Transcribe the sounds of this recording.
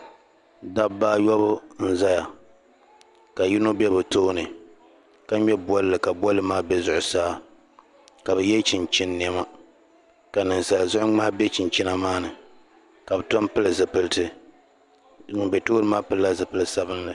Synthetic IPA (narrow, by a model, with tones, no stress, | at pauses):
da˦bbaː˦jɔ˦bʊ˦n̩˦za˦ja˨ | ka˨ji˦no˦bɛ˦bɨ˨toː˦nɨ˨ | ka˦ɲɛ˦bɔ˦lɨ˦lɨ˨ka˨bɔ˦lːɨ˦maː˦bɛ˦zʊ˨ʔʊ˨saː˦ | ka˨bɨ˨jɛ˦t͡ʃɪ˨nt͡ʃi˦nːi˨ɛ˦ma˦ | ka˨nɨ˨n˨sa˨lzʊ˦ʔʊ˦ŋ͡ma˦bɛ˦t͡ʃɪ˨nt͡ʃi˦na˦maː˦nɨ˨ | ka˨bɨ˨tɔ˦npɨ˦lɨ˨zɨ˨pɨ˦ltɨ˦˨ | n˨bɛ˨toː˦ɾɨ˦maː˦pɨ˦lːa˦zɨ˨pɨ˦lɨ˦sa˦bɨ˦nlɨ˨